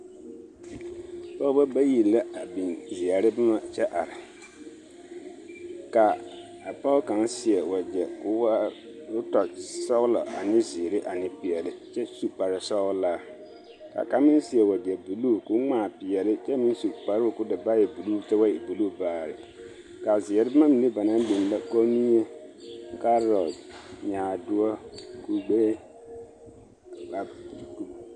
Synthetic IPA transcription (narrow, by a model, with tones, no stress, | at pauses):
pɔ˦ʊ˦ba˦ba˦ji˨la˦a˨bĩ˨nzɪ˨a˨ɾɪ˦bɪ˦ma˨t͡ʃɛ˦ʔa˨ɾɪ˨ | ka˨ | a˨pɔ˦ʊ˦ka˨nsɪ˨ɛ˨wa˨d͡ʒɛ˨kʊ˦wa˦ʊ˦tɔ˨sɔ˦lɔ̰˨ʔa˨nɪ˦zɪː˨ɾɪ˦ʔa˨nɪ˨pɪ˨ɛ˨lɪ˦t͡ʃɛ˦su˦k͡pa˨ɾɪ˨sɔ˦laː˦ | ka̰˨ka˨˦mɪ˦n˦sɪ˨˦ɛ˨wa˨di˨ɛ˨bu˨lu˦kʊ˦ŋ͡maː˨pɪ˨ɛ˨lɪ˦t͡ʃɛ˦mɪ˦n˦su˨k͡pa˨ɾɪ˦ʊ˨kʊ˦dɪ˨ba˦jɛ˨bu˨lu˦t͡ʃɛ˦wa˦jɛ˨bu˨luː˦˨baː˨ɾɪ̰˨ | ka˨zɪ˨ɛ˨ɾɪ˦ma˦mi˨ne˦ba˨na˦bi˨n˨la˦kɔ˦ni˦e˦ŋ̩˦ka˦ɾɔ˨d͡ʒɲaː˨dʊ˦ɔ˦ku˨ɡ͡beː˦˨ | a˨k